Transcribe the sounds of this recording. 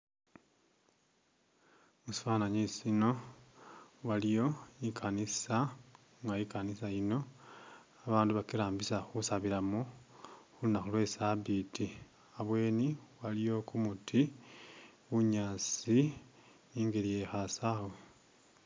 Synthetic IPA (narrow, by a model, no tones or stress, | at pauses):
musi̥fanaɲisino̞ | walijo̞ikʰanisa | ŋɡaikanisajino̞ | aβaːnduβakilaːmbisaxusaβilamoxulinaxulwe̞sabiti | aβwe̞ːniwalijo̞kumutʰi | wuɲaːsi | iːŋɡelije̞xasawwe